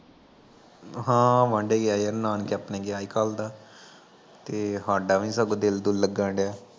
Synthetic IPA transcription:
ɦãːʋãɳɖeːɡaːjaɾnaːnkapnẽːɡɪjaːiːkaːld̪aː | t̪eːɦaːɖaːʋĩːsəɡod̪ɪld̪uːlːəɡãːɳɖjaː

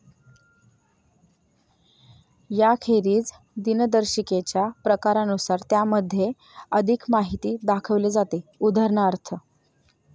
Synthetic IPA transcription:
jakʰeɾiːt͡s | d̪ind̪əɾɕiket͡ɕjapɾəkaɾanusaɾt̪jaməd̪ʱːje | əd̪ʱikmaɦit̪iːd̪akʰəʋled͡zat̪eud̪ʱəɾɳəəɾt̪ʰə

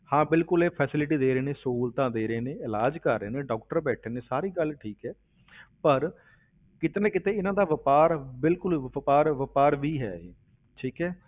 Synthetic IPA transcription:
hãːbɪlkʊleːpʰɛːsɪlɪʈ̬iːd̪eːɾeːneːsuːlt̪ãːd̪eːɾeːneːɪlaːd͡ʒkəɾːeːneːɖɔːk̚ʈəɾbɛːʈʰeːneːsaːɾiːɡəlʈʰiːkɦɛː | pəɾ | kɪt̪enẽːkɪt̪ẽːɪnãːd̪aːʋəpaːɾbɪlkʊləpaːɾʋəpaːɾʋiːɦɛ̰ːḛː | ʈʰiːkɦɛː

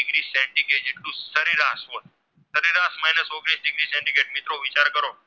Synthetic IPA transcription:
ɪɡɾisɛ̃ɳɖiɡed͡ʒeʈlũsəɾiɾas | səɾiɾasmaɦinəsoɡɾisɖɪɡɾisɛ̃ɳɖiɡeʈ̚mɪt̪ɾoʋɪt͡ʃaɾkəɾo

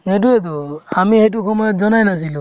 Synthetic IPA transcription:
ɛt̬uɛt̬uamihɛt̬ukʰɔmɔnɔt̚zɔnajnas̬ilu

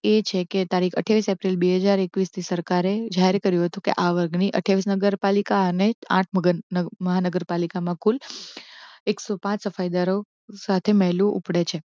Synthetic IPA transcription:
et͡ʃʰeket̪aɾikʰə̰ʈʰjaʋisepɾilbeɦəd͡ʒaɾekʋist̪ʰisəɾkaɾed͡ʒaɦeɾekəɾjũɦət̪ũkḛʔaʋəɾɡniʔə̰ʈʰjaʋisnəɡəɾpalikaəneã̰ʈ̚ʰməɡməɦanəɡəɾpalikamãkul | eksopãt͡ʃsəfajd̪aɾo | sat̪ʰemɛɦlũʔṵpɽet͡ʃʰe

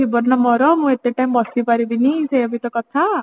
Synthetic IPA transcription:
ibɔɾnɔmɔɾɔmũet̪eʈaimbɔsipaɾibiniseebʱit̪ɔkɔt̪ʰa

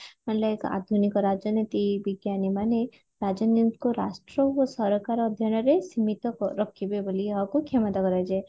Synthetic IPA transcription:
manlɔeka̰d̪ʱunikɔɾad͡ʒɔnet̪ibiɡjanimane | ɾad͡ʒanikoɾasʈɾɔosɔɾɔkaɾɔːd̪ʱjɔñɔɾesimit̪ɔɾɔkʰibeboliɦakukʰemɔt̪akɔɾajd͡ʒe

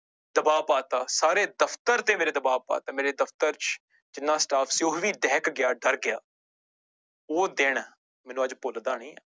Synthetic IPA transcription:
d̪əbaːpaːt̪aːsaːɾeːd̪əpʰt̪əɾt̪eːmeːɾeːd̪əbaːpa̰ːt̪aːmeːɾeːd̪əpʰt̪əɾt͡ʃ | d͡ʒɪnːãːsʈaːpʰsioɦʋiːɖɛːkɡɪjaːɖəɾɡɪjaː | oːd̪eːɽ̃ | mɛːnũːəd͡ʒpʊld̪aːɳiːɛː

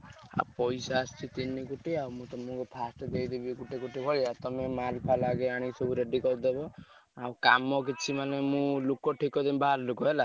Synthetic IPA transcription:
a̰pɔjsaːst͡ʃit̪inikuʈiawmũt̪ɔmɔ̃kupʰasʈɔd̪ejd̪ibikuʈikuʈibʱɔɭiat̪ɔmemalpʰalaɡeaɽ̃isɔbuɾeɖikɔɾd̪ebɔ | awka̰mɔkit͡ʃʰimanemũlukɔʈʰikɔd̪imbaaɾlukɔɦela

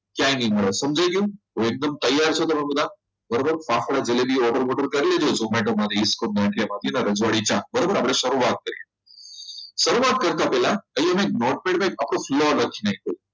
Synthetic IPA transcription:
kjajniməɭasəmd͡ʑajkiũ | oek̚d̪əmt̪əjːaɾt͡ɕʰot̪əmamud̪a | bəɾobəɾfafɽad͡zelebiːɔʈəɾʋɔʈəɾkəɾled͡ʑod͡zomɛʈoməd̪ʱeiskon̚naʈʰemad̪ʱinaɾəd͡zʋaɽit͡ɕabəɾobəɾapleɕəɾuʋat̪̚kəɾi | səɾuʋat̪̚kəɾt̪apɛlaəɦiɦamek̚nɔʈ̚mẽɳʈmekapɽoflɔləkʰinaɦit̪o

